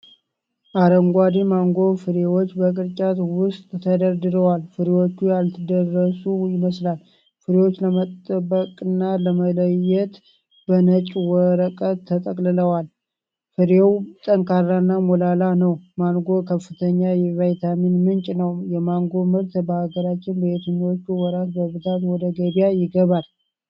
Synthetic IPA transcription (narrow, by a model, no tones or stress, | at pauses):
ʔaɾəŋɡʷad̪imaŋɡo̞fɨɾewo̞t͡ʃːbəkʼɨɾt͡ʃʼat̪wʊst̪ʼt̪ʰəd̪əɾd̪ɨɾəwalfɨɾewo̞t͡ʃːujalt̪ʰɨd̪ərːəsujɪməslal | fɨɾewo̞t͡ʃːləmət̪ʼːəbːəkʼɨnːaləmələjɛt̪ | b̥ənət͡ʃʼwɔɾəkʼət̪ʰːət̪ʼəkʼlɨləwal | fɨɾewt̪ʼəŋkʰarːanːamolalanəwmaŋɡo̞kʰəfːɨt̪ʰəɲːajɛvajt̪ʰaminmɨnt͡ʃʼnəwjɛmaŋɡo̞mɨɾt̪bəhaɡəɾat͡ʃːɪnbəet̪ɨɲːwot͡ʃːuwɔɾat̪bəβɨt̪ʰat̪wɔd̪əɡədijajɪɡəβal